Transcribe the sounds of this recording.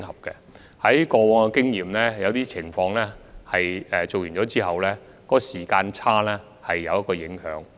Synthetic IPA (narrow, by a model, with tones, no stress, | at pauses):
ŋhɐ˨p̚kɛ˧ | hɐ˨˥jkɔː˧wɔː˨˧ŋɔ˧kɪ˥ŋjiː˨mlɛː˥jɐ˨˧wt̪iː˥t͡sʰɪ˨˩ŋfɔː˧ŋlɛː˥hɐ˨jɛ˨t͡so˨wjy˨˩nt͡ɕɔː˨˥t͡siː˥ɦɐ˨wlɛː˥ | kɔː˧˥siː˨˩kaː˧nt͡sʰaː˥lɛː˥ | hɐ˨jːɐ˨˧wjɐ˥kːɔː˧jɪ˨˥ŋhœ̰ː˨˥ŋ